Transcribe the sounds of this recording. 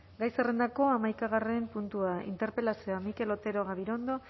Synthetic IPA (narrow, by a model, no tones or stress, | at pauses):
ɡajsere̞nd̪ako̞amajkaɣare̞mpunt̪uaḭnt̪e̞ɾpe̞lasioamike̞lo̞t̪e̞ɾo̞ɣaβiɾo̞nd̪o̞